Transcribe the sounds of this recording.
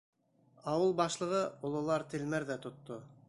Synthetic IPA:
ɑwɤlˠbɑʃlˠɤ̆ʁɤŏlˠɤ̆lˠɑɾt̪ʰɘ̆lmæɾðæt̪ŏt̪ːo

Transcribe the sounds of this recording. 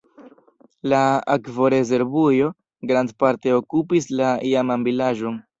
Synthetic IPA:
laakvo̞ɾe̞ze̞ɾbujo̞ | ɡɾandpaɾte̞okupis̬laiamanbilaʒo̞n

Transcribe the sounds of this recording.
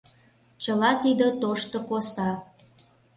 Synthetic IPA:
t͡ɕəlɑt̪id̪ə̆t̪oʃt̪ŏkosɑ

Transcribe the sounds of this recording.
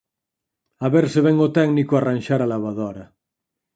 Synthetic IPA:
aβeɾseβɛŋot̪ɛɡnikoaranʲʃaɾalaβaðoɾa

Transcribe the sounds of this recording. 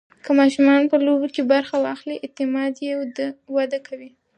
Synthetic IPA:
kəmɑʃumɑnpəlobokebaɾxawɑxliʔɪt̪ɪmɑd̪jed̪əwad̪akʰawi

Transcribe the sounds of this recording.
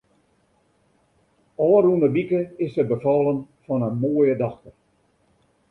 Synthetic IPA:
ɔːɾunəbikəɪsəbəfɔːlˠənfɔnənmoːjədɑxtər

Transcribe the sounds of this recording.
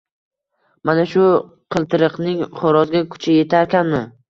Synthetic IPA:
manaʃʊ | qʰɨlˠt̪ʰɪɾɨqnɪŋχoɾɒzɡʲakʰʊ̥t͡ʃʰaje̞t̪ʰaɾkʲanmɪ

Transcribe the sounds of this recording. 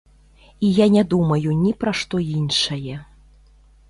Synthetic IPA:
ijanʲɛd̪umɐjunʲipɾɐʂt̪ɔinʂɐjɛ

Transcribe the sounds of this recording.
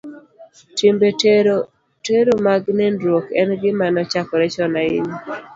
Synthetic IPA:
timbeɾo | teɾomaɡnɛndɾokɛnɡɪmanɔt͡ʃakɔɾɛt͡ʃɔnaɪ̰ni

